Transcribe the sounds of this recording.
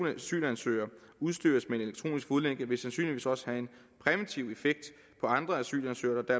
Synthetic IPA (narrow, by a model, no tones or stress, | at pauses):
nəæsy̰ːlænsø̰ːɪɐ | uðˠsd̥y̰ɐsmee̝ne̝le̝ɡ̥t͡sʰʁo̝̰ːnisɡ̥fuðˠleŋ̰ɡ̥əʋe̝sænsy̰ːnliʋḭːsɒ̽sə̥hæe̝n | pʰʁɛʋit͡sʰiʊe̝feɡ̥̚d̥ | pʰɒ̽ɑ̈nd̥ʁɐæsy̰ːlænsø̰ːɐd̥ɑ̈d̥æɐ̰